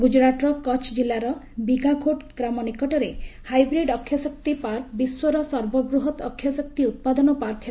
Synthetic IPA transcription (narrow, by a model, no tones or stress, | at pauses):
ɡud͡ʒɾaʈɾɔkɔt͡ʃʰd͡ʒilːaɾɔ | biɡʱaɡʰʱoʈkɾamɔnikɔʈɔɾehajbɾiɖɔkʰjɔsɔkt̪ipaɾkbiswɔɾɔsɔɾbɔbɾuɦɔt̪ɔkʰːjɔsɔk̚t̪iut̪̚pad̪ɔnɔpaɾkʰ